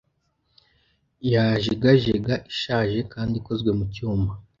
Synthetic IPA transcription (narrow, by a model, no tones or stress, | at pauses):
jaʒiɡaʒeɡaʔiʃaːʒe̞kaːndiko̞zɡwe̞mucuːmba